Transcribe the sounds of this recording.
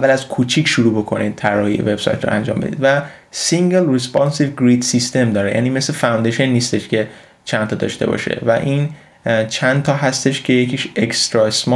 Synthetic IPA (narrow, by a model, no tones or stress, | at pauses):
ævːælæzkʰuːt͡ʃʰiːkʰʃuɾuːbo̞kʰo̞nid̪̚t̪ʰæɾɒːhḭḛveb̥sɒ̰jt̪ʰɾɔ̰ʔænd͡ʒɒ̰ːmbe̞d̪id̪væ | siŋɟelrespɒnsivɡɾid̪sist̪e̞md̪ɒːɾejʔæ̰niːme̞slefæwnd̪eʃenːiːst̪e̞ʃcʰe̞ | t͡ʃʰænt̪ʰɒːd̪ɒ̰ːʃt̪e̞̰bɒ̰ʃḛvæ̰ʔin | t͡ʃʰænt̪ʰɒːɦæst̪e̞ʃcʰe̞jecʰiːʃekst̪ɾɒesmɒ